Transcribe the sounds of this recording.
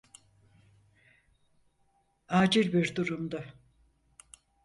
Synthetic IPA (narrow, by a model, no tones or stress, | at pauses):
aːd͡ʒiɾbiɾd̪uɾumd̪a